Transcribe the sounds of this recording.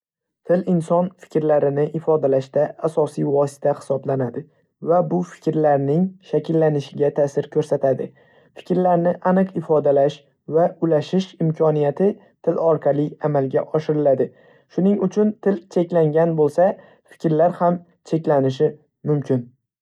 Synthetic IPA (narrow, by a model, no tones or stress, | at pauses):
t̪ʰɪlɪnsɒnfɪ̥kʲɾlaɾɪnɪʔɪfɒd̪alaʃd̪aːsɒsijvɒsɪ̥t̪ʰahɪ̥sɒblanad̪ɪ | vabʊfɪ̥kʲɾlaɾnɪŋʃakʲʰɪlːanɪʃɪɡʲat̪ʰaːsɪɾkʰɵɾsat̪ʰad̪ɪ̰ | fɪ̥kʲɾlaɾnɪʔanɨqɪfɒd̪alaʃ | vaʊlaʃɪʃɪmkʰɒnijat̪ʰɪ | t̪ʰɪlɒɾqʰɑlˠɪamalɡʲa̰ʔɒʃɪɾɪlad̪ɪ | ʃʊnɪŋʊt͡ʃʰʊnt̪ʰɪlt͡ʃʰe̞kʲlaŋɡʲanbolˠsa | fɪ̥kʲɾlaɾham | t͡ʃʰe̞kʲlanɪʃ̬ɪ | mʊmkʲʰɪn